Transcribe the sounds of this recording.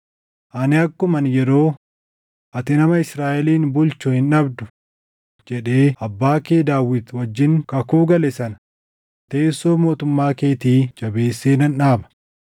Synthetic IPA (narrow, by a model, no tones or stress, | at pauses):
ʔɐnɪɐkːʊmɐnjɛɾo̞ː | ʔɐt̪ɪnɐmɐɪsɾaːʔɛliːnbʊlt͡ʃʊhɪnɐbd̪ʊ | d͡ʒɛᶑe̞ːɐbːaːkeːd̪aːwɪt̪wɐd͡ʒːɪŋkɐkuːɡɐlɛsɐn | t̪eːsːo̞ːmo̞ːt̪ʊmːaːke̞ːt̪iːd͡ʒɐbeːsːeːnɐnᶑaːbɐ̥